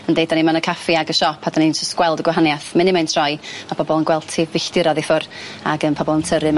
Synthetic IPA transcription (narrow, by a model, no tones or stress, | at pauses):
əndejdanimanəkʰafiaɡəʃɔpʰad̥anind͡ʒəstɡ̥wɛlˠdəɡwaɦanjaθmɪnɪmajntʰr̥ɔjmab̥ʰɔbɔlˠənɡwɛlˠtʰivɪɬd̥ɪɾɔðɪfʊra̰ɡənpʰɔbɔlˠəntʰəɾɨm